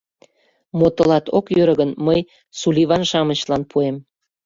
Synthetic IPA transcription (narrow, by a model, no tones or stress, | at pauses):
mot̪ə̆lɑt̪o̰kjøɾəɣənməj | sulʲiβɑnʃɑmə̆ɕlɑnpʰuem